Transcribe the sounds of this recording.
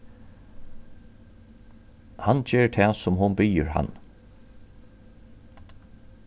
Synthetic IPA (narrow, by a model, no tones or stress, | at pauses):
hand͡ʒeːɹʈ̪ʰɛːsʊmɦʊnbijə̰ɹha̰nː